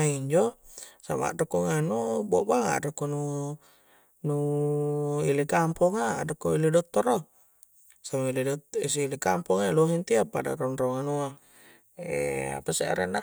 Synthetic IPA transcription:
aiɲd͡ʒosama̰ʔdokoŋanubɔʔbaŋa̰dokonu | nu | ilikampɔŋadokoilidɔt̪ːɔɾɔ | samailedtis̬ilikampɔŋaloɦint̪iapada̰ɾonroŋanua̰ | a̰paseʔa̰ɾena

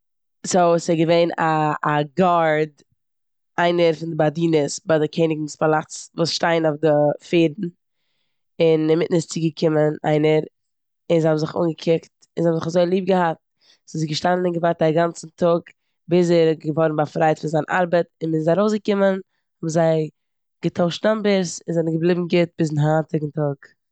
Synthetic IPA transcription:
sosɛɡəveɪnaːɡaɾd | aɪnəɾfɪndɪbadiːnəsbadɪkʰeɪnɪɡn̩spalˠat͡svuːsʃtaɪnofdɪfeːɾdn̩ | ɪnɪmɪtn̩ɪst͡sɪɡəkʰɪməna̰ɪnəɾ | ɪnzɪhabm̩zɪχṵːnɡəkʰɪkt | ɪnzɪhabmzɪχazoɪlˠiːp̚ɡəhat̚ | sɪzɪɡəʃtanənɪnɡəvaɾt̚aɡant͡sn̩tʰʊɡ | bɪs̬ɛɾɡəvɔɾn̩bafɾaɪtfɪnzaɪnʔa̰ɾbətɪnmɪnzaɾoʊsɡəkɪmən | hɔbzaɪ | ɡ̥ətʰaʊʃtnambəɾsɪnzɛnəɡəblˠɪbm̩ɡɪt̚bɪs̬ɪnɦatɪɡn̩tʊɡ

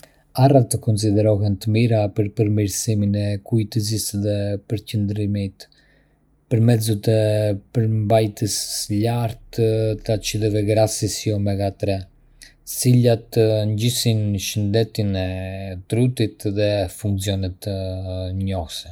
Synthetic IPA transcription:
arat̪əkɔns̬id̪ɛɾɔɦɛnt̪əmiɾapəɾpəɾmiɾsiminɛkujt̪əzisðɛpəɾcənd̪ɾimit̪ | pəɾmɛzut̪ɛpəɾmbajt̪əslaɾt̪t̪at͡ʃiðɛvɛɡɾasisjɔmɛɡat̪ɾɛ | silat̪əɲɟisinʃənd̪ɛt̪inɛt̪ɾut̪it̪ðɛfuŋksiɔnɛt̪əɲɔhsɛ

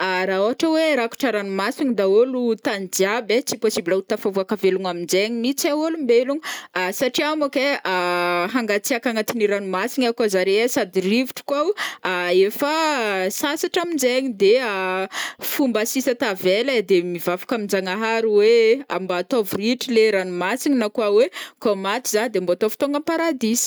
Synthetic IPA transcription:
aɾaoɦaʈ͡ʂəweɾaku̥ʈ͡ʂaɾanumasiɲid̪aolut̪and͡ʒiabet͡siposibilaut̪afavuakaveluŋamind͡ʒeɲimit͡saolumbeluŋsaʈ͡ʂiamakeaɦaŋɡat͡siakaŋat̪iniɾanumasiɲakazaɾeesad̪irivuʈ͡ʂu̥kawaefasasaʈ͡ʂamind͡zeɲid̪ea | fumbasisat̪aveləd̪emivafḁkamind͡zaŋaɦaɾiwea̰mbat̪ovuriʈ͡ʂileɾanumasiɲinakuawekomat̪izad̪embot̪ovu̥t̪oŋɡampaɾad̪is

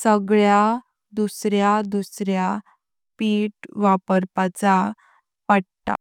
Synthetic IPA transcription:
səɡɭja | d̪usɾjad̪usɾja | piːʈʋapəɾpat͡sa | paɽt̪a̰

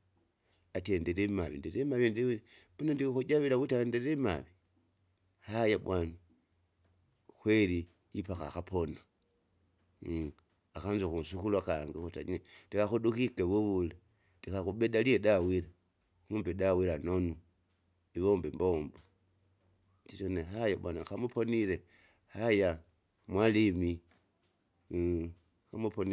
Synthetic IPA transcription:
atendeɾemaβḭndeɾemaβindiβunondixud͡ʒaβilaβutendeɾema̰βi | hajaβwani | xweli | ipaxa̰xapona | axanzuxusuxulwaxaːŋɡixuta̰ɲetixaxuɗuxikeβuβule | tixaxuɓeɗalieɗawiɾa | huːmbiɗawiɾanonu | iβoːmbemboːmbo | titoneɦajaɓanaxamuponile | haja | mwalimi | xamuponi

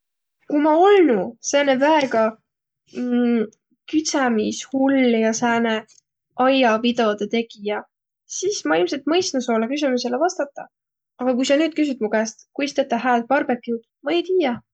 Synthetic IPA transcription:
kumɑolnusæːnevæeɡɑ | kyt̪sæmishulːjɑsæːne | ʔɑjɑvid̪̥o̞d̪̥et̪e̞ɡ̥ijɑ | siːsmɑilmse̞lt̪mɤjst̪nusolːɑkys̬ymyselevɑst̪ɑt̪ˑːɑ | ɑɡ̥ɑkujsɑnyːd̪̥̚kys̬yt̪mukæːst̪kujst̪et̪ːɑɦæːlt̪̚pɑrb̥e̞kːˑut̪ | mɑejt̪iːjɑ

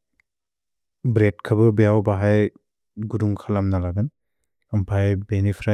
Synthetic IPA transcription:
bɾet̚kʰabɯbejawbaɦaj | ɡuduŋkʰalamnalaɡan | ɐmpʰajbenipʰɾa

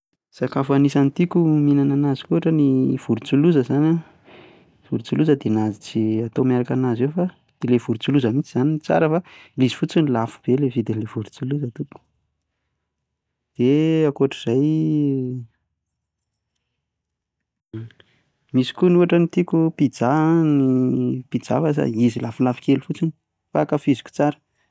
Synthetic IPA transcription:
sakafanisanit̪ikuminananazi̥kuaʈ͡ʂəniv̥uɾut͡suluzəzana | v̥uɾit͡suluzəd̪eanazit͡siat̪omaɾakanazewfa | d̪̥elev̥uɾut͡suluzəmit͡siz̥anint͡sa̰ɾəfalizi̥fut͡sinilafu̥b̥elevid̪inlevuɾut͡suluzət̪uku̥ | d̪̥eakuaʈ͡ʂiz̥aj | misi̥kunuaʈ͡ʂənit̪ikupid͡zanipid͡za̰fasa̰izilafulafi̥kelufut͡sini̥ | fakafizi̥ku̥t͡saɾə̥

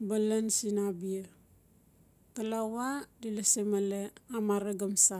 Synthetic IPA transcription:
balansinabia | kalawadilasemaleamaɾeɡamsa

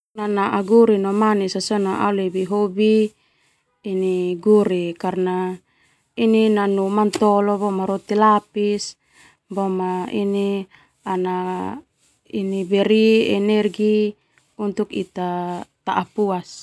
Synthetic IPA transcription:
nanaʔaɡuɾinɔmanisasɔnaʔa̰ulɛbiɦobi | niɡuɾikarna | ininanumant̪ɔlɔbɔmaɾɔt̪ilapis | bɔmaini | ana | inibɛɾiɛnɛrɡi | unt̪ukḭt̪at̪aʔapuas

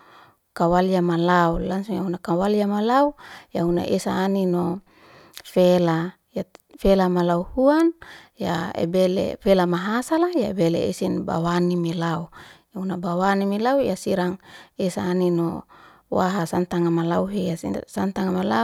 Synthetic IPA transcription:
kawalijamalaulansujaɦunakawaliamalaujahuna̰ʔesaːnino | fela | jafelamalauhuan | jaḛbelḛfelamaɦasalaja̰ebelḛḛsinba̰wanimelaujaunabawanimilaujasiɾaŋesaːnino | waɦasant̪aŋamalauɦejasant̪aŋamala

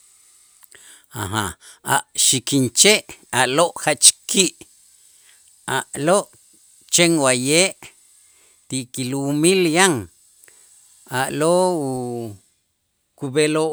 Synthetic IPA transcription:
aɦa | a̰ʔʃikint͡ʃeʔaʔloʔhat͡ʃkiʔ | aʔloʔ | t͡ʃeŋwajeːʔ | t̪iʔkilumiljaŋ | aʔloːu | kubelo

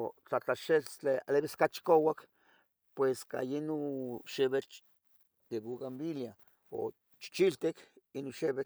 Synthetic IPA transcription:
t͡ɬat͡ɬaʃet͡ɬealeβiskat͡ʃi̥kowak | pweska̰jinoʃeβet͡ɬ | d̪eβuɣambilja | o̰ | t͡ʃi̥t͡ʃilt̪ekinonʃeβe

